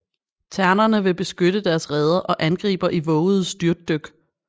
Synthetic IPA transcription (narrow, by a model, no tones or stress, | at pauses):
t͡sʰæɐnɐnəʋe̝b̥e̝sɡ̥øɾ̥əd̥æɐsʁɛð̞ˠɐʔɒ̽ʔænɡ̥ʁḭːb̥ɐʔiʋɔ̽ːʊð̩ˠsd̥yɐd̥ːøɡ̥